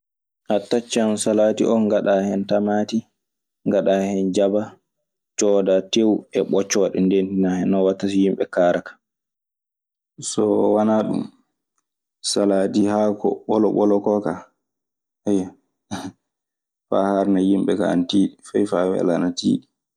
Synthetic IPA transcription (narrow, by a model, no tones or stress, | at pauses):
ʔatːat͡ʃːansalaːtiʔɔnŋɡaɗahɛntamati | ŋɡaɗahɛnd͡ʒaba | t͡ʃɔdatewɛɓɔt͡ʃːɔɗɛndentinahɛnɔwatːas̬ijimɓɛ̰kaɾʔakḁ | sɔwanaɗṵm | salatihakɔ̰ɓɔlɔɓɔlɔkɔka | ɛja | fa̰haɾnajimɓɛka̰a̰ntiːɗifajfawɛ̰la̰natḭːɗi